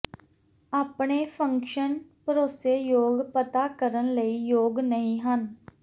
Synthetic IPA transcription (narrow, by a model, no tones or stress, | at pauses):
aːpɳeːpʰəŋkʃənpəɾoːseːjoːɡpət̪aːkəɾənləiːjoːɡnəɦĩːɦən